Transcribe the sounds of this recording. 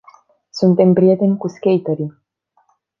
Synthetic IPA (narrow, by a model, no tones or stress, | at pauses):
sunt̪empɾiet̪enʲkuskʲejt̪əɾi